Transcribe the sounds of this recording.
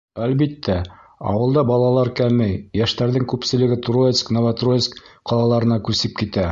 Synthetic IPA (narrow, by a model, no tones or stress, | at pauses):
ælbit̪ːæ | ɑ̰wɤ̆lˠd̪ɑbɑlˠɑlˠɑɾkæmɘjjæʃt̪æɾðɘŋkʉpsɘ̆lɘ̆ɡɘt̪rojet̪sknovat̪rojet̪skqɑlˠɑlˠɑɾɤ̆nɑkʉsɘp̚kit̪æ